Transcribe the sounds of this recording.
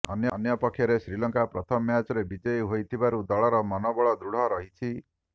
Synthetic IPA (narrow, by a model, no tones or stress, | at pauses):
ɔnjɔnjɔpɔkʰːjɔɾesɾilɔŋkapɾɔt̪ʰɔmjad͡ʒɔɾebid͡ʒejɦojt̪ʰibaɾud̪ɔɭɔɾɔmɔnɔbɔɭɔd̪ɾuɽ̤ɔɾɔɦit͡ʃʰi